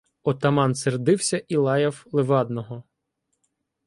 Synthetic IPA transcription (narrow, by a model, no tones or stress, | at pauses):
ɔt̪ɐmɑnserd̪ɪwsʲɐʔilˠɑjɐwlˠeʋɑd̪nɔɦɔ